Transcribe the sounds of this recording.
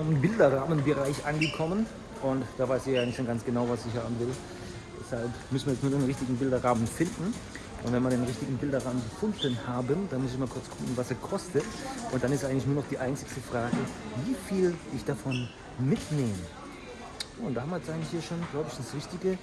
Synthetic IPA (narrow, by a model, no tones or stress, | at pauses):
ɪmbɪldɐʁaːmənbəʁaɪçʔanɡəkʰɔmən | ʔʊntd̥aːvaɪsiːɐjaːnɪçtsoɡant͡sɡ̥ənaʊvasɪçhaːbm̩vɪl | d̥ɛshalpmʏsn̩viːjɛt͡stnuːɐdeːnʁɪçtɪɡŋ̩bɪldɐʁaːmənfɪndn̩ | ʔʊntv̥ɛnviɐɾeːnʁɪçtɪɡŋ̩bɪldɐʁaːmənɡəfʊndnhaːbədanmʊs̬ɪçmaːlkʰʊɐt͡skʰʊkŋ̩vasɛːɐkʰɔstətʔʊnt̚d̥anɪstʔaɪɡətlɪçnuːɐnɔχd̥iːʔaɪnt͡sɪkstəfʁ̥aːɡəviːfiːlɪçd̥afɔn | mɪtneːmə | oːʊntd̥aːhabmviɐjɛt͡sʔaɪŋ̩lɪçhiːɐʃoːnɡlaʊbəɪç̥sʁɪçtɪɡə